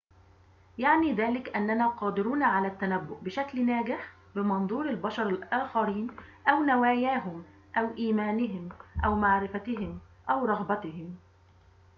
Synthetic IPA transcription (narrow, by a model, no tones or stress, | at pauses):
jaʕniːðæːlɪkʔanːænaːqɑːd̪ɪɾuːnʕalæːt̪ːænæbːʊʔbɪʃæklnæːɡɪħ | bɪmɑnðˤuːɾɪlbɑʃɑɾˤɪlʔaːxɑɾiːnʔæwnawaːjæːɦʊm | ʔæwʔiːmæːnɪɦɪmʔæwmaʕɾɪfæt̪ɪɦɪm | ʔæwɾˤɑɣbɑt̪ɪɦɪm